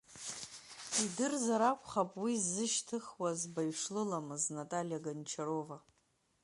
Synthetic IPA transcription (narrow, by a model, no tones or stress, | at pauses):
idɨrzaɾakʷʰʼχapʼwizːɨʃtʰɨχwazbaɥʂlɨlamɨznatʼalijaɡant͡ʃʰaɾo̞va